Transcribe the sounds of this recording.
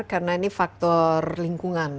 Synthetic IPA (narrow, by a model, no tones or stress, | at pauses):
rkarnainifak̚t̪ɔrliŋkuŋan